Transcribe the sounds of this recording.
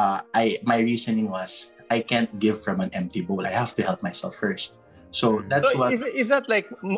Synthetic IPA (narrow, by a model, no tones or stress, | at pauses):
ʔaʔajmajɹisɔnɪ̃ŋwɐs | ʔajkæ̃nt̪̚ɡɪvfɹɐ̃mɐ̃nɛ̃mt̪ibolʔajhaft̪ʊhɛlp̚majsɛ̰lfːɛɹst̪̚ | sod̪at̪swɐɪzdat̪lajk̚m